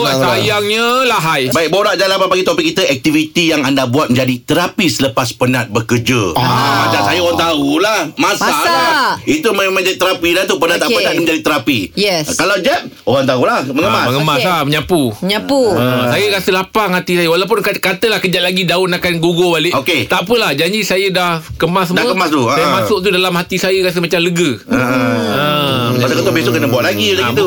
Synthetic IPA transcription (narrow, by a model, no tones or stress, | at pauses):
aajaŋɲəlaɦajbaik̚boɾaʔd͡ʒalapapaɡit̪opɪkːit̪əʔɛk̚t̪ivit̪ijaŋandabuat̪̚mə̃ɲd͡ʒadit̪əɾapisələpaspənãt̪̚bəkəd͡ʒə̰dasajəoɣaŋt̪aulahmasait̪umẽmãd͡ʒadit̪əɾapilat̪upənatt̪apədaməɲd͡ʒadit̪əɾapiɛkalawd͡ʒɛp̚oɣaŋt̪aulahməəmasməŋəmasaməɲapuɲapuəsajəɾasəlapaŋhat̪isajəwalawp̬ʊnkat̪əlahkəd͡ʒat̪̚laɡidaʊnakanɡuɡowaleʔoket̪aʔpəlahd͡ʒand͡ʒisajədahkəmas̬əmdakəmast̪uajamasʊʔt̪̬udalamhat̪isajəkas̬əmat͡ʃamləɡəəəasakət̪ubesoʔkənabaaʔlaɡilau